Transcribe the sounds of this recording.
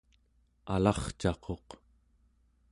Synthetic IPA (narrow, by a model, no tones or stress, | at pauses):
alɑχt͡ʃɑqʰo̞q